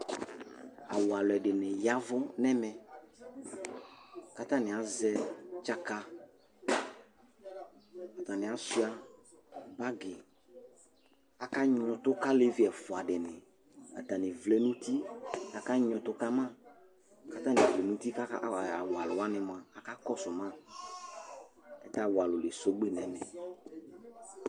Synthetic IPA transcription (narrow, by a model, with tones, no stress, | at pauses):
a̰˨wa˨lʊ˨ɛ˨dɪ˨nɪ̃˨ja˦vʊ˦nɛ˦mɛ˨ | ka˦ta˦˨nɪ˨a˨zɛ˦t͡ʃa˦ka˦ | a˨t̪a˨nɪ̃˨a˨sʊ˦a˦ | ɡ͡ba˦ɡɪ˨ | a˨ka˦ɲɔ̃˨tʊ˦ka˦le˦vɪ˦ɛ˨fʊ˨a˨dɪ˨nɪ̃˨ | a̰˨ta˨nɪ̃˨vlɛ˨˦nũ˦t̪i˦a˨ka˦ɲɔ̃˨tʊ˦ka˦mã˦˨ | ka˦ta˦nɪ̃˨vlɛ˨nũ˦t̪i˦ka˦a̰˦˨a˨wa˨lʊ˨a˦nɪ˨mã˨a˨ka˦kɔ˦sʊ˨mã˦ | ɛ̰˦ta˦wa˨lʊ˨lɪ˨so˦ɡ͡be˦nɛ̃˨˦nɪ˨